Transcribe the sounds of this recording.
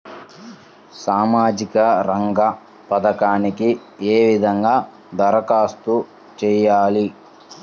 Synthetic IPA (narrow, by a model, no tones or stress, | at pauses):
saːmaːd͡ʒikɐɾɐŋɡɐ | pɐd̪ɐkaːniki | eːʋid̪ʱɐŋɡaː | d̪ɐɾɐkaːst̪u | t͡ʃɛːjaːli